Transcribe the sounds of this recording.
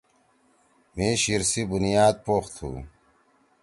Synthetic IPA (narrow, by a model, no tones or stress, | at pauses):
miːɕiɾsibunijaːd̪̚poːxt̪ʰhṵː